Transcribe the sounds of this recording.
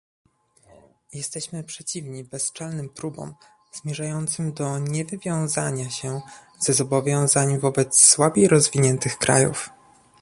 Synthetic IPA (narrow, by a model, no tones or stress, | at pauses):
jɛst̪ɛɕmɘpʂɛt͡ɕivɲibɛst͡ʂalnɘmpɾubɔ̰m | z̥mʲjɛʐajɔnt̪sɘmd̪ɔɲɛvɘvʲjɔ̃w̃zaɲaɕɛ | zɛzɔbɔvʲjɔ̃w̃zaɲvɔbɛt̪sːwabʲejɾɔzvʲiɲɛnt̪ɘxkɾa̰jṵf